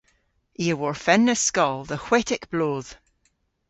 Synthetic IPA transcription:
iəwɔɹfɛnːəskɔlˠðəhw̥eʔɪkb̥lˠoːð̥

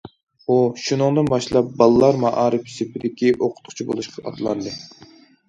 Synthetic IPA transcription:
uʃunɨŋd̪ɨnbɑʃlˠɑp̚bɑlˠɨlˠɑɾmɑʔɑːɾɨpsɪpʰɪd̪ɪkʲiʔoqʰʊ̥t̪qʰʊ̥t͡ʃʰibo̰lˠuʃqʰɑʔɑ̰t̪ʰlˠɑ̰nd̪ɨ

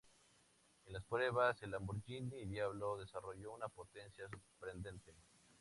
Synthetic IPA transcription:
e̞nlaspɾe̞βaselambuɾʝiniðjaβlo̞ðe̞saro̞ʝo̞unapo̞t̪e̞nsjas̬uɾpɾe̞nd̪e̞nt̪e̞

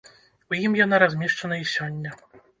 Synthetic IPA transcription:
ujimjɔnaɾɔzmʲɛʂt͡ʂanaiɕɔɲʲːa

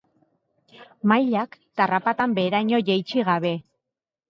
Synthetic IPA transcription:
majʎakt̪arapat̪ambe̞ːɾajɲo̞ʝejt͡ʃiɣaβe̞

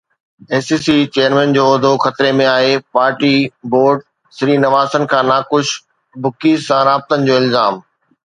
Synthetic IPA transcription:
eːsiːsit͡ɕeːəɾmɛ̃ːnd͡ʑoːɐd̪ʱoxɐt̪ɾemẽaːɦepaːɾʈiboːɾɖ | sɪɾiːnɐʋaːsənɪ̆kʰãːnaːkʊʃ | bʊkiːsãɾaːb̚t̪ənɪ̆d͡ʑoːɪlzaːm

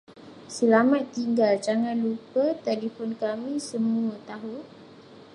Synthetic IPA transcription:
səlamat̪̚t̪iŋɡald͡ʒaŋãnlupət̪ɛlifɔnkamĩsəmuət̪aɦu

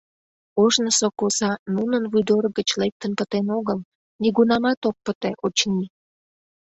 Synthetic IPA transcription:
oʒnəsokosɑnunənvujd̪orɣət͡ɕlek̚t̪ənpət̪enoɣəl | niɣunɑmɑt̪ok̚pət̪eʔot͡ɕni

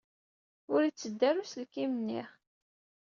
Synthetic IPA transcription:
ʊɾit͡sːəd̪ːæɾuslkimnːḭʁ

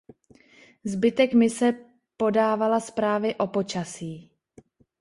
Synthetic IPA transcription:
zbɪt̪ɛkmɪsɛ | po̞daːvalaspɾaːvɪʔo̞po̞t͡ʃasiː

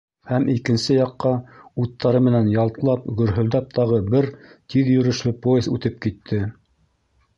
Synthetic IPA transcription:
hæmikɘ̆nsɘjɑqːɑut̪ʰːɑɾɤmɘ̆nænjɑlˠt̪lˠɑpɡɵ̆ɾɦɵ̆ld̪æp̚t̪ɑʁɤbɘɾt̪iðjɵ̆ɾɵ̆ʃlɘpojezʉt̪ɘp̚kit̪ʰːɘ

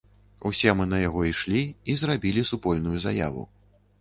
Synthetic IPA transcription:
usʲɛmɨnɐjaɣɔiʂlʲiizrabʲilʲisupɔlʲnujuza̰ja̰vṵ

